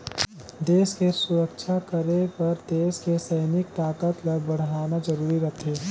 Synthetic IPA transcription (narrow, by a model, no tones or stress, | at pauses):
d̪eːskesʊɾəkt͡ʃʰakəɾepɐɾd̪eːskesɐɪnɪk̚t̪aːkət̪lɐbɐɽ̤aːnazɐɾuːɾiɾɐt̪ʰeː